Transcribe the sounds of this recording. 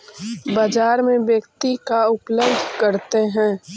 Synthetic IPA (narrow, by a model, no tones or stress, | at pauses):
bad͡ʒaːɾmẽbjəkt̪ikaʊpləbd̪ʱkɐɾt̪eɦɛ̃ː